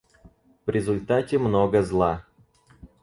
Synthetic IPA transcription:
vɾʲʔɪzʊlʲt̪atʲɪmnoɡəzlˠa

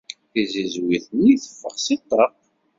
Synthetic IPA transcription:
θizizwiθəniθə̥fːə̰ʁsit̪ˤːəq

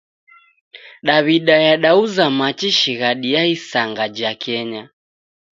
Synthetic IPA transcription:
ɗaβiɗajaɗauzamat͡ʃiʃiɣaɗiaisaŋɡad͡ʒakɛɲa

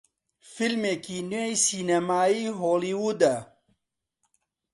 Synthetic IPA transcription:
filmeːkiːnejsiːnɐmaːiːɦoːliːwud̪ɛ

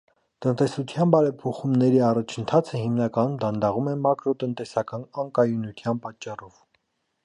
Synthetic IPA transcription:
t̪ənt̪ɛsut̪ʰjɑnbɑɾɛpʰɔχumnɛɾiɑrɑt͡ʃʰənt̪ʰɑt͡sʰəhimnɑkɑnumd̪ɑnd̪ɑʁumɛmɑkɾɔt̪ənt̪ɛsɑkɑnɑŋkɑjunut̪ʰjɑnpɑt͡ʃːɑrɔv

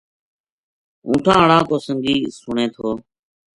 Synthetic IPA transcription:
ṵ̃ːʈʰãːəɽãːkoːsəŋɡiːsʊɳeːt̪ʰoː

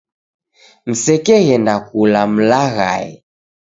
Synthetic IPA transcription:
m̩sɛkɛɣɛndakulam̩laɣa̰ɛ

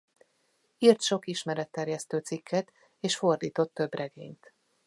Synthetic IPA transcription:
irt̪ʃo̞kiʃmɛɾɛt̪ːɛrjɛst̪øːt̪sikʰːɛt̪ | eːʃfo̞rd̪iːt̪o̞t̪ːø̞brʔɛɡḛːɲt̪

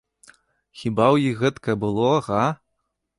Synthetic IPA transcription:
xʲibawjixɣɛt̪kɐbɨlˠɔɣa

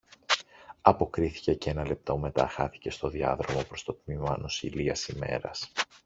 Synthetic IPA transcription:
ɐpo̞kɾiθi̥ce̞cee̞nɐle̞p̚t̪o̞me̞t̪ɐ̰xɐθi̥ce̞st̪o̞ðiɐ̰ðɾo̞mo̞pɾo̞st̪o̞t̪mimɐno̞sḭliɐsime̞̰ɾɐs

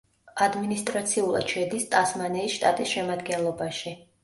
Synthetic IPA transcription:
ad̪minist̪ʼɾat̪sʰiulˠa̰d̪ʃʰɛd̪ist̪ʼasmanɛisʃt̪ʼat̪ʼisʃɛmad̪ɡɛnlˠɔbaʃi

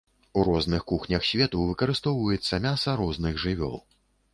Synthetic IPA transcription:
uɾɔznɨxkuxnʲɐxsʲvʲɛt̪uvɨkɐɾɨst̪ɔwvɐjɛt̪sːɐmʲasɐɾɔznɨɣʐɨvʲɔ̰lˠ

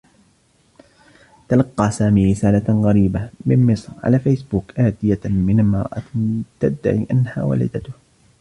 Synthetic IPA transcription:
t̪alɑqːɑːsaːmiːɾɪsaːlaɣaɾiːbamɪmmɪsˤɾʕa̰laːfejsbuːkʔaːt̪ɪjamɪnmɑɾˤʔa̰t̪ad̪ːa̰ʕiːʔanha̰ːwa̰lɪ̰d̪at̪ʊh

